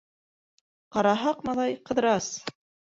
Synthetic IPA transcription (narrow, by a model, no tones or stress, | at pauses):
qɑɾɑɦɑqmɑðɑjqɤ̆ðɾɑs